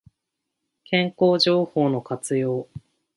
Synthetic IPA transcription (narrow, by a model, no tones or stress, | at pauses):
kʰẽ̞ŋko̞ːʑo̞ːho̞ːno̞kat͡sɨjo̞ː